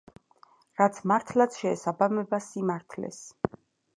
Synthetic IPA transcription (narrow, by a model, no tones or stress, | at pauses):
ɾat̪sʰmaɾt̪ʰlˠat̪sʰʃɛ̰ːsabamɛbasimaɾt̪ʰlɛ̰s